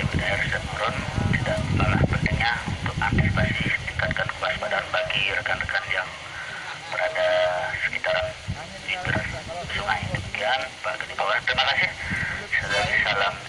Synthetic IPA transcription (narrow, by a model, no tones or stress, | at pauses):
ibidaɛrsdamuɾʊnt̪idaʔəpala̰hpənt̪əŋɲaunt̪ʊk̚a̰rt̪isipasɪhdikat̪̚kankuasbadarbaɡirəkanrəkanjaŋ | bəɾadasə̥kit̪aɾan | d͡ʒibərsuŋaidəmikianbaɡadibawat̪ɾimakasɪhsəlaŋsalam